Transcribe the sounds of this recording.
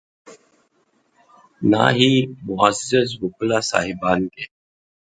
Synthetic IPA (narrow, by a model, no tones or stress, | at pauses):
na̰ɦimuaszət͡s̬buklasa̰ɦibanɡ̪e